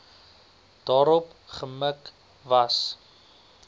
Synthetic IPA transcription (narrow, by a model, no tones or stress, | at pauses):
d̥ɑːɾɔp | χəmək | vɐs